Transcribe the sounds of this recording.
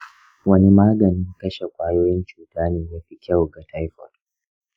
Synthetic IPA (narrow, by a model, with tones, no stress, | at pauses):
wɐ˦ni˦maː˦ɡɐ˨nɪ˦ŋkɐ˦ʃe˨kʷaː˦joː˦jɪ˦nt͡ʃuː˨taː˦neː˦jaː˦ɸi˦kʲɐ˦˨wɡa˨tʰa˦jɸɔ̰˨r